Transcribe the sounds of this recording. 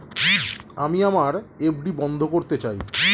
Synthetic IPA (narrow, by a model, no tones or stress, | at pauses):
amiamaɾebɖibɔnd̪ʱokoɾt̪et͡ɕaj